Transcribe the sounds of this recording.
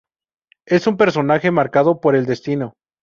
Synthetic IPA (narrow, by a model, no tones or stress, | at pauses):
e̞sumpe̞ɾso̞naxe̞maɾkað̞o̞po̞ɾe̞ld̪e̞st̪ino̞